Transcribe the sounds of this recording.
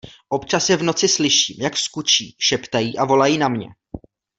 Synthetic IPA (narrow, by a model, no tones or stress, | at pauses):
ʔo̞pt͡ʃasjɛvno̞t͡sɪslɪʃiːmjakskut͡ʃiːʃɛpt̪ajiːʔavo̞lajiːnamɲɛ̰